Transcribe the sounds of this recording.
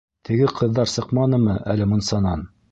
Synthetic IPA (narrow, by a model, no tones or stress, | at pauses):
t̪ʰɘ̆ɡɘqʰɤ̆ðːɑɾsɤqmɑnɤmɤʔæ̰lɘmŭnsɑnɑn